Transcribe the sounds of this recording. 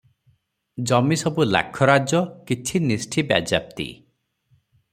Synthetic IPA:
d͡ʒɔmisɔbula̰kʰɔɾad͡ʒɔkit͡ʃʰinisʈʰibja̰d͡ʒap̚t̪ḭ

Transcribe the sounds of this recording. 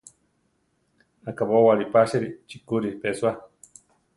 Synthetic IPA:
akaβowaɾipaʃeɾit͡ʃikuɾipesua

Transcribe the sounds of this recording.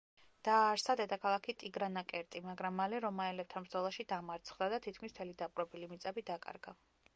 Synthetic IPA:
d̪̥aːɾsad̪ɛt̪ʼakʰalˠakʰit̪ʼiɡɾanakʼɛɾt̪ʼimaɡɾamːalɛɾɔmaɛlɛb̚t̪ʰanbɾd̪zɔlˠaʃid̪amaɾt̪sʰχd̪ad̪at̪ʰit̪̚kʰmist̪ʰɛlid̪apʼɾɛbilimit̪sʼɛbid̪akʼa̰ɾɡa

